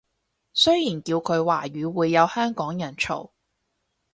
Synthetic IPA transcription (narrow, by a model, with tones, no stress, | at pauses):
sɵ˥jjiː˨˩nkiː˧wkʰɵ˨˧ɥwaː˨˩ɥyː˨˧wuː˨˧jːɐ˨˧whœː˥ŋkɔː˨˥ŋjɐ˨˩nt͡ʃʰo̰˨˩w